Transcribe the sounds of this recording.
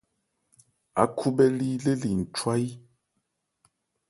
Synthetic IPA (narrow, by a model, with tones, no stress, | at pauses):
a̰˨˦kʰu˦bɛ˦li˦le˦li˨n̩˨t͡ʃwa˦i˦